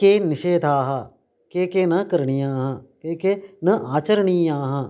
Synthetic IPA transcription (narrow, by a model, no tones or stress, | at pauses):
keːnɪʃeːd̪ʱaːɦɐ | keːkeːnɐkəɾɳijãːɦɐkeːkenɐʔaːt͡ʃəɾɳ̃ijãːɦɐ̃